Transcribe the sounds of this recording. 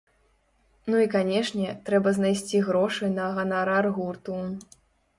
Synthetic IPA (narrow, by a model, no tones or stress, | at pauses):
nuikanʲɛʂnʲɛt̪ɾɛbɐznajsʲt͡sʲiɣɾɔʂɨnɐɣɐnaɾarɣurt̪u